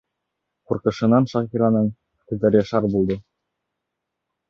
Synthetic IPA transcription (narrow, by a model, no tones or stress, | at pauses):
quɾqɤ̆ʃɤ̆nɑnʃɑχiɾɑnɤɴ | t̪ɤ̆zɤ̆ɾjɑ̆ʃɑɾbulˠd̪ɤ